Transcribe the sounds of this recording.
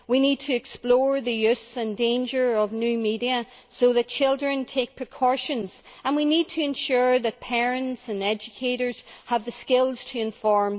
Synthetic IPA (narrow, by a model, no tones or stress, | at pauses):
winid̚tʰɨɛksplɔɹðɨjʉsə̃ndẽɪ̃nd͡ʒə˞ʌvnjʉmiɾiə | soðɨt̚t͡ʃʰɪlˠdɹɨ̃ntʰek̚pʰɹ̥ɨkʰɔɹʃə̃nz̥ə̃nwinid̚tʰɨɨ̃nʃuɹðɨt̚pʰɛɹɨ̃ntsə̃nɛd͡ʒɨkʰeɾə˞z̥əvðɨskɪlˠz̥tʰəɨ̃ɱfɔɹm